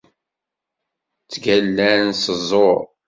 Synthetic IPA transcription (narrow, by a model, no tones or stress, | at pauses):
t͡sːɡælːæɾnsəzˤoɾ